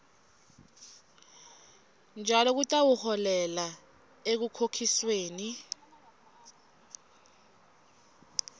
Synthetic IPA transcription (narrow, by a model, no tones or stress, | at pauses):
nd͡ʒʱalɔk̬utʼawuhɔlɛla | ek̬ukʰokʰisweːni